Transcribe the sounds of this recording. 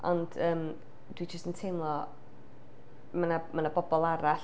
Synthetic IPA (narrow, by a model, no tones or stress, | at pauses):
ɔ̰nd̥əːm | d̥wid͡ʒəstəntʰejmlˠɔ | manamanabɔbɔlˠaɾaɬ